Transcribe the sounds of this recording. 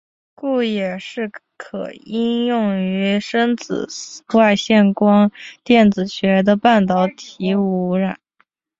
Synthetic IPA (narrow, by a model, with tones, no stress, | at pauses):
ku˥˩jɛ˨˩ʂɻ̩˥˩ | kʰɤ̰˨˩i˥njʊ˥˩ŋy˧˥ʂə˥nt͡sɹ̩̰˨˩swa˥˧ɪɕjɛ˥˩nkwɑ˥ŋt̪jɛ˥˩nt͡sɹ̩˨˩ɕɥɛ˧˥d̪ə˧pa˥˩nt̪ɑ˨˩ʊt̪ʰi˧˥u˧u˧˥ɻa˨˩˦n